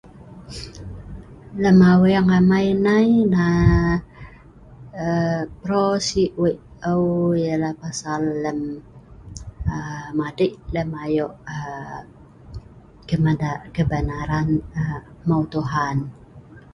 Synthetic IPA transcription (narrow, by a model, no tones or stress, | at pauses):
ləmawejaŋamajnajna | əpɾosiʔweʔ | əwjalahpasalːəm | əmadiʔləmajoʔə | kəmadaʔkəbənaɾanə | maut̪uɦan